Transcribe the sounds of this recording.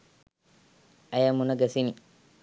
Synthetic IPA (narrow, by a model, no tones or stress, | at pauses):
ʔajamːunaɡasiniː